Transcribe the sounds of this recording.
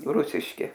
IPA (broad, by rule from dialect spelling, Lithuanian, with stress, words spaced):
ˈrʊsʲɪʃʲkʲɪ